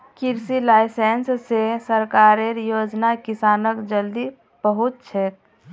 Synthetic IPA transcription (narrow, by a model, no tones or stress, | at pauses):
kiɾsilaːɪsenssesəɾkaɾeɾjod͡ʒnakisaːnəkd͡ʒəld̪i | b̥əɦut̪̚t͡ʃʰɛk̚